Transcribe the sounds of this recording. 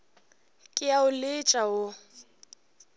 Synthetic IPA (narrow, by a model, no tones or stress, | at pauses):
kʼɪjaʊlɪt͡ʃʼaʊ